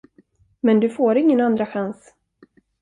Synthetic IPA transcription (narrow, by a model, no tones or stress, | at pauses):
mɛnd̪ɵfoːɾɪŋːənand̪ɾaɧans